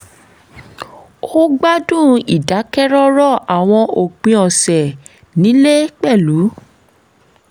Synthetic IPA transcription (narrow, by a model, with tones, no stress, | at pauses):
o˦ɡ͡ba˦dũ˦˨i˨da˨˦kɛ˦ɾɔ˦ɾɔ˦˨a˨w̃ɔ̃˧o˨k͡pĩ˧ɔ˨sɛ˨ | nĩ˨˦le˦k͡pɛ˦˨lu˨˦